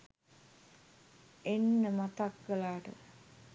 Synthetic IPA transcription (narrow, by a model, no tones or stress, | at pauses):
enːəmat̪akɡəlaːʈə̰